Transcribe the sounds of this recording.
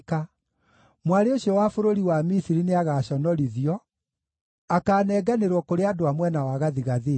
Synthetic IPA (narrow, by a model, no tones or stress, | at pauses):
ka | mwaɾeoɕjɔwaːfoɾoɾiwamisiɾineaɣaɕɔnɔɾiðiɔ | akaːnɛːɡaneɾwɔkoɾeadoamwɛnawaɣaðiɣaðe